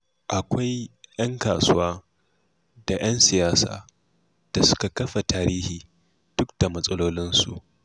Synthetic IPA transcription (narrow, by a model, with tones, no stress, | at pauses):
ʔa˨kʷa˦jj̰ɐ˦ŋkaː˨sʊ˦waː˦ | da˨j̰ɐ˦nsɪ˨jaː˦sa̰ː˨ | d̥a˨sʊ̥˦ka˨kɐ˦ɸa˨taː˦ɾiː˦hiː˨ | d̥ʊ˦k̚d̥a˨mɐ˦sʼɐ˦loː˦lɪ˦nsṵ˨ʔ